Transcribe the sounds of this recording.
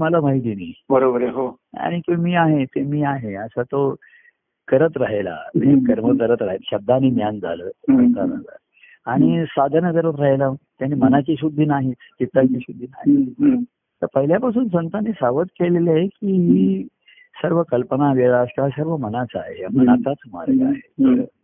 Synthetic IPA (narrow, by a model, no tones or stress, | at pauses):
məlamaid̪iniːbəɾobəɾeɦo | a̰ɽ̃it̪umiːaɦet̪emiːaɦeəsat̪o | kəɾət̪ɾaɦela̰mekəɾməkəɾət̪ɾaɦet̪ɕəb̚d̪ʱañiːnjand͡zʱa̰ləːsənt̪ana̰d͡za̰ | aɽ̃isad̪ʱənəkəɾət̪ɾaɦelat̪janːiːmənat͡ɕiɕud̪ʱːinaɦit̪t͡ɕit̪ːat͡ɕiɕud̪ʱːina̰ɦi | t̪əɾpəɦiljapas̬uːnsənt̪anːiːsaʋət̪kelelaɦekiːɦiː | səɾʋəkəlpənaʋeɭaskeʋasəɾʋəmənat͡səa̰ɦeapənat̪at͡səma̰ɾɡəa̰ɦeə